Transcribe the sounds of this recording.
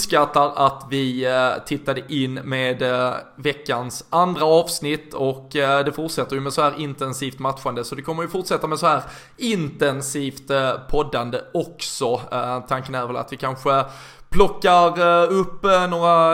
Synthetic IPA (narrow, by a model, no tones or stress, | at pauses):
skat̪ːaɾat̪vɪt̪ʰɪt̪ːad̪əʔɪnːmeːd̪vɛkːansand̪ɾaɑːvsnɪt̪ːɔkd̪ɛfʊʈʂɛt̪ːəɾjɵmɛsɔhæːɾʔɪnt̪ɛnsiːft̪mat̪ɧand̪əsɔd̪ɛkʰɔmːəɾjɵfʊʈʂɛt̪ːamɛsɔhæːɾ | ɪnt̪ɛnsiːft̪pʰɔd̪ːand̪əɔksɔt̪ʰaŋkənæːɾvɛla̰t̪vɪkʰanɧə | pʰlɔkːaɾɵpːnoːɾa